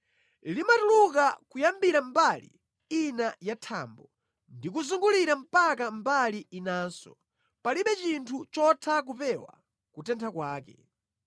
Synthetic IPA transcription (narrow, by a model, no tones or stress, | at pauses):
limatuluk̬akujambiɾambalḭ | inajatʰaːmbɔ | ndikuzuŋɡuliɾam̩pak̬ambaliinaːnsɔ | paliɓɛt͡ʃintʰut͡ʃɔtʰak̬upɛwa̰ | kutɛntʰakwaːkɛ